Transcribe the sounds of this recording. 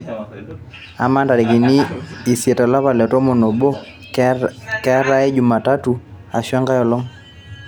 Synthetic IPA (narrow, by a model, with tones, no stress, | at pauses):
a˨ma˦nda˨ɾi˨ki˨niː˦˨sje˨ta˨la˦pa˨lɛ˨tɔ˦mɔ˨no˨bo˦ | kɛ˦ɾa˦ɛ˦d͡ʒu˨ma˨ta˦tu˨ | a˨ʃwa˦ŋɡa˦jɔ˨lɔ˦ŋ